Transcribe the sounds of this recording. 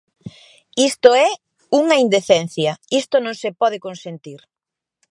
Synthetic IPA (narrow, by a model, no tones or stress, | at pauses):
ist̪oɛ | uŋɐind̪eθɛn̟θjɐist̪onõŋsepɔð̞ekonsent̪iɾ